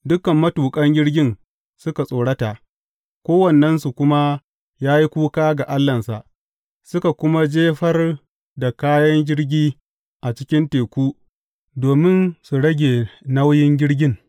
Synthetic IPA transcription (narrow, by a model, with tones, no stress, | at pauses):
dʊ˦kɐ˨mːɐ˦tuː˨kʼɐ˦ŋɡʲɪ˦ɽɡʲɪ˦n | sʊ˦ka˨sʼoː˨ɽɐ˦ta˨ʔ | kʷoː˦wɐ˨nːɐ˦nsu˨kʷʊ˦ma˦ | jaː˦ji˦kʷuː˦kaː˦ɡa˨ʔa˦lːɐ˨nsa˨ʔ | sʊ˦ka˨kʷʊ˦ma˦d͡ʒeː˦ɸɐ˦r | da˨kaː˦jɐ˦ŋɡʲɪ˦ɽɡʲiː˦ | ʔa˨t͡ʃɪ̥˦kʲɪ˦nteː˨kʷuː˦ | doː˨mɪ˦nsu˨ɽɐ˦ɡʲeː˨na˦wjɪ˦ŋɡʲɪ˦ɽɡʲɪ˦ŋ